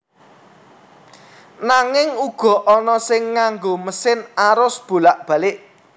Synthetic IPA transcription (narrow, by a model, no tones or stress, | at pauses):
naŋɪŋuɡ̥ɔ̤ʔɔnɔsɪŋːaŋɡoməsɪnaɾʊsb̥ṳlaʔb̥ä̤lɪʔ